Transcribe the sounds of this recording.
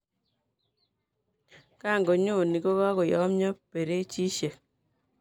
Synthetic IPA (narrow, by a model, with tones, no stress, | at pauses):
ka˦˨ŋɡo˨ɲo˦˨ni˨ko˦ka˦ko˨jɔ˦mɲɔ˦pe˨ɾe˦t͡ʃi˦ʃe˨k̚